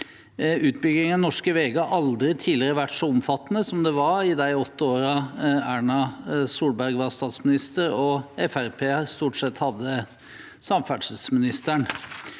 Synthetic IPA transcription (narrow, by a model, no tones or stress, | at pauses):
ʉːt̪̚bʏɡɪŋənnɔʂkəʋeːɡəɑʔɑld̪ɾɪt̪ʰiːlɪəɾəʋæʈːsɔʊmfɑt̪ːnəsɔmd̪ɛʋɑɾɪd̪æɪɔt̪ːəoːɾɑæːɳɑsuːlbæɾɡʋɑst̪ɑːt̪smɪnɪst̪əɾɔɛfæɾpʰeːst̪uːʈsɛt̪ːhɑd̪ːə | sɑmfæʈʂəlsmɪnɪst̪æɳ